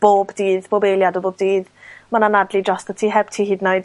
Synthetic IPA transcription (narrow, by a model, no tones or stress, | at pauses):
b̥oːbdiːðb̥oːbejlˠjadɔboːbdiːðmananadlid͡ʒɔstətʰiɦɛb̥tʰiːɦiːdnɔjd